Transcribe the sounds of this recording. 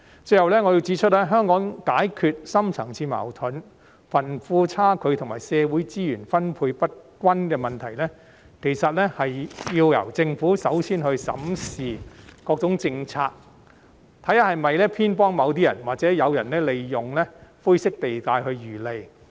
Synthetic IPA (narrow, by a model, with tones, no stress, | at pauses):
t͡sɵ˧jhɐ˨wlɛː˥ŋɔː˨˧ji˧wt͡siː˨˥t͡ʃʰɵ˥t̚lɛː˥ɦœː˥ŋkɔː˨˥ŋkaː˨˥jkʰy˧t̚sɐ˥mt͡sʰɐ̰˨˩ŋt͡sʰiː˧ma̰ː˨˩wt̪ʰʊ˨˥n | fɐ˨˩nfuː˧t͡sʰaː˥kʰɵ˨˧ɥt̪ʰʊ˨˩ŋmaː˨˩jsɛː˧wuː˨˥jt͡siː˥jyː˨˩nfɐ˥npʰuː˧jpɐ˥t̚kʷɐ˥nkɛ˧mɐ˨nt̪ʰɐ˨˩jlɛː˥ | kʰe˨˩jsɐ˨t̚lɛ˥hɐ˨jjiː˧wjɐ̰˨˩wt͡sɪ˧ŋfuː˨˥sɐ˨˥wsʰiː˥nhɵ˧ɥsɐ̰˨˥msiː˨kɔː˧k̚t͡sʊ˨˧˥ŋt͡sɪ˧ŋt͡sʰaː˧k̚ | t̪ʰɐ˨˥ja˥hɐ˨jmɐ˨jlɛː˥pʰiː˥npɔː˥ŋmɐ˨˧wt̪̬iː˥jɐ̰˨˩nwaː˨k̚t͡sɛː˨˥jɐ˨˧wjɐ˨˩nlɛː˥le˨jjʊ˨ŋlɛː˥fu˥sɪ˥k̚t̪e˨jt̪aː˧jhɵ˧ɥjyː˨˩le˨j